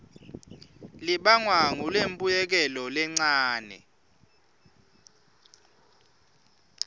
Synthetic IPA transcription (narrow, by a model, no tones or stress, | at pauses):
liɓaŋwaŋulempʼujɛk̬ɛlɔlɛŋ͡ǀaːnɛ̰